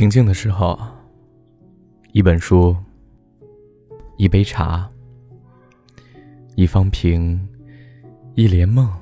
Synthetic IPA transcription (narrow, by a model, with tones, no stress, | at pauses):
i˧˥ŋt͡ɕi˥˩ŋd̪ə˩ʂɻ̩˧˥xo˥˧˩ʊ | i˥˩pə˨˩nʂu˥ | i˥˩pe˥ɪʈ͡ʂʰa̰˧˥ | i˥˩fɑ˥ŋpʰi˧˥ŋ | i˥˩ljɛ˧˥nmɤ˥˩ŋ